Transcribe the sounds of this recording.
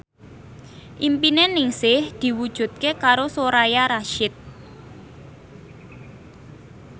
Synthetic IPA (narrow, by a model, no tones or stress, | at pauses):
ʔimpinenɪŋsɪhd̪̥i̤wud̥ʒ̥ṳt̪̚kekaɾosoɾajaɾaʃɪt̪̚